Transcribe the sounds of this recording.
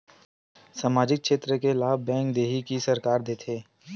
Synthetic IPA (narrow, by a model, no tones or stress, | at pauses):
saːmaːd͡ʒɪk̚ʃeːt̪ɾəkelaːbbɛ̃ːŋk̚d̪eːɦikisəɾkaːɾd̪eːt̪ʰeː